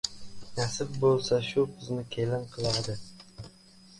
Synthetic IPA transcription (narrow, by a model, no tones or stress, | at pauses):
nasɪp̚bolˠsaʃʊbɪznɪkʲʰelɪnqʰɨlˠaɾd̪ɪ